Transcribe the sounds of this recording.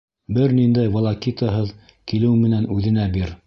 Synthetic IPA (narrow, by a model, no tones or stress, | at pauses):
bɘɾnind̪æjvŏlˠɑkit̪əɦɤð | kilɘwmɘ̆nænʉðɘ̆næbiɾ